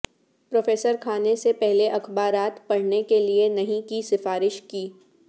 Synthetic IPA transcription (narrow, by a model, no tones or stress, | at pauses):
pɾoːfeːsəɾkʰaːnesepɛɦleʔɐxbaːɾaːt̪pɐɽ̤nekelienɐɦĩkisɪfaːɾɪʃkiː